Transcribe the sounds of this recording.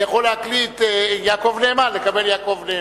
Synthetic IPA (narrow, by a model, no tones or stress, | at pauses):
jaχolːeaklit̪jaːkovneemalekabeljaːko̞vne